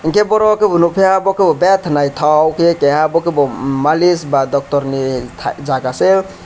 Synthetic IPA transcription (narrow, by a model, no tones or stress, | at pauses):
iŋkebɔɾɔkebʱunupʰeɦabɔkebobɛt̪ʰnajt̪ʰɔwkekeɦabokebomalisbad̪ɔk̚t̪ɔɾnit̪ʰa̰d͡ʒaɡase